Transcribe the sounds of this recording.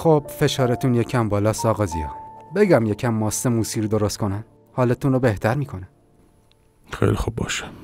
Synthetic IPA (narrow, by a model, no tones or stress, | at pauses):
xob̥̚fe̞ʃɒːɾet̪ʰunjecʰæmbɒːlɒːsɒːɣɒːziɒ̰be̞ɟæmjecʰæmːɒːsːemuːsiːɾd̪o̞ɾost̪kʰo̞næn | hɒːlet̪ʰunɾobe̞ht̪ʰæɾmiːkʰo̞næm | xḛjlixub̚bɒ̰ːʃe̥